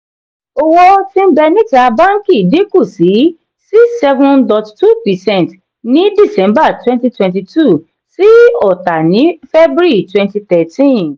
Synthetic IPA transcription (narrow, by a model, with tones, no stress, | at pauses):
o˦˧wɔ˧tĩ˦m̩˦bɛ˧nĩ˦ta˧bã˦ŋ˦kĩ˦˨de˨˦ku˦˨si˨˦ | si˦sɛ˧vũ˧ndɔ˧ttu˦˨pi˨sɛ̃˦˨t | nĩ˨˦di˦˨sɛ̃˨˦mba˦˨twɛ̃˦nti˦twɛ̃˧nt̬i˧tu˦˨ | si˦ɔ˦˨ta˨nĩ˨˦fɛ˦bɾi˦˨twɛ̃˧nti˧t̪ɛ˨tĩ˦˨